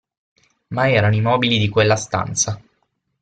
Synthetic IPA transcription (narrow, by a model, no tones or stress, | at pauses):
maɛːɾanoimɔːbilid̪ikwelːast̪a̰nt̪sa